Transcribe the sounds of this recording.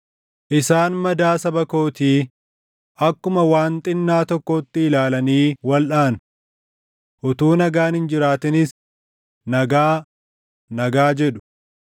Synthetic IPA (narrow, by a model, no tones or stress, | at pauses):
ʔɪsaːnmɐd̪aːsɐbɐkoːt̪iː | ʔɐkːʊmɐwaːnt̪ʼɪnːaːt̪ɔkːɔːt̪ːɪɪlaːlɐniːwɐlᶑaːn | ʔʊt̪uːnɐɡaːnhɪnd͡ʒɪɾaːt̪ɪnɪs | nɐɡaː | nɐɡaːd͡ʒɛᶑʊ̥